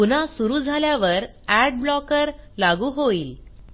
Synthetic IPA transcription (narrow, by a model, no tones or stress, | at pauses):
punasuɾuːd͡zʱaljaʋəɾ | æɖ̚blɔkəɾlaɡuːɦoiːl